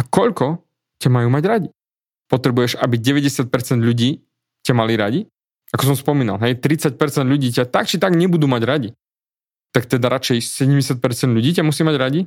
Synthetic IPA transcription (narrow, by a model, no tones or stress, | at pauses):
akɔʎkɔ | camajuːmaɟɾaɟi | pɔt̪ɾɛbujɛʃabiɟɛʋɛɟɛsɪat̪̚pɛɾt͡sɛnd̪ʎuɟiː | camaliɾaɟi | akɔs̬ɔmspɔmiːna̰lɦɛjt̪ɾit͡sac̚pɛɾt͡sɛnd̪ʎuɟiːcat̪akt͡ʃit̪aɡɲɛbud̪umaɟɾaɟi | t̪ak̚t̪ɛd̪aɾat͡ʃɛjsɛɟɛmɟɛsɪat̪̚pɛɾt͡sɛnd̪ʎuɟiːcamusimaɟɾaɟi